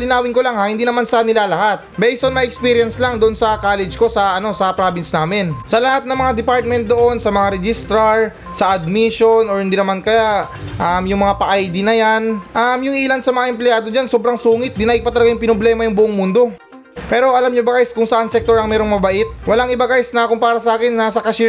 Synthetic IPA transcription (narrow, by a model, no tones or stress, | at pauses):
lɪnaːwɪŋko̞laŋhahɪnd̪iːnɐmansɐanɪlaːlɐhat̪̚bɛjsonmɐjɛkspiːɾjɐnslaŋd̪oʔonsɐkaːlɛd͡ʒko̞sɐʔɐno̞sɐpɾaːbɪnsnaːmɛnsɐlɐhat̪̚nɐŋmɐŋad̪ɛpaɹt̪̚mɛnt̪̚d̪o̞ʔo̞nsɐmɐŋaɾɛd͡ʒɪst̪ɾɐɹ | sɐʔɐd̪̚miʃo̞noɹhɪnd̪inɐmankɐja | ʔɐmjʊŋmɐŋapɐʔajd̪ɪnɐjanʔɐmjʊŋʔiːlansɐmɐŋaʔɛmplɪjaːd̪od͡ʒansobɾɐŋsuːŋɪt̪̚d̪ɪnaʔɪpɐt̪ɐlɐɡajʊŋpɪnoblɛːmɐjʊŋbʊʔoŋmund̪o̞ | pɛːɾo̞ʔɐlamɲobɐkajskʊŋsɐʔansɛk̚t̪oɹɐŋmɛːɾo̞ŋmɐbɐʔɪt̪̚wɐlaŋʔɪbakajsnɐkʊŋpaːɾɐsɐʔaːkɪnːasɐkɐʃi